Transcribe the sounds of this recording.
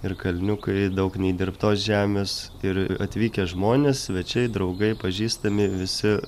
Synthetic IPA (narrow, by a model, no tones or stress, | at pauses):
ɪrkɐlʲnʲʊkɐɪd̪ɐʊknʲɛɪd̪ʲɪrpt̪oːsʒʲæːmʲeːs | ɪɾɐt̪ʲʋʲiːkʲɛʒmoːnʲeːsʋʲɛt͡ʃʲɛɪd̪ɾɐʊɡɐɪpɐʒʲiːst̪ɐmʲɪʋʲɪsʲɪ